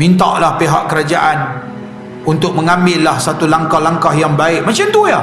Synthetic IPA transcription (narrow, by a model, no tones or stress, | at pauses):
mint̪a̰ʔlahpeɦaʔkəɾad͡ʒaʔan | unt̪ʊk̚məŋambɪlːahsat̪ulaŋkahlaŋkahjaŋbaɪʔ̚mat͡ʃamt̪uja